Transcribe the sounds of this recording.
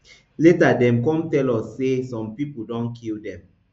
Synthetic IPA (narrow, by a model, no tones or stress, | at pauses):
letadɛ̃mkɔ̃mtɛlɔsːesɔ̃mpipodɔ̃nkʰildɛ̃m